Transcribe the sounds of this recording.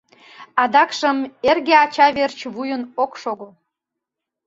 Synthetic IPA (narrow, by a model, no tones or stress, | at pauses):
ɑd̪ɑkʃəmerɣeɑt͡ɕɑβert͡ɕβujənokʃoɣə